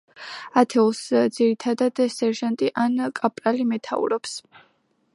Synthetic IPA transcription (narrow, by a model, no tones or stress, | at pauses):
at̪ʰɛulˠsd̪z̥iɾit̪ʰad̪ad̪sɛɾʒant̪ʼiʔankʼapʼɾalimɛt̪ʰa̰ṵɾɔps